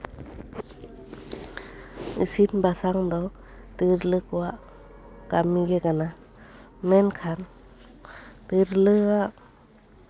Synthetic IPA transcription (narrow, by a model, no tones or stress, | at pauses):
ɯsinbasaŋd̪ɔw | t̪ɯɾlɯkuaʔ | kamiɡɛɡana | mɛnkʰan | t̪ɯɾlɯaʔ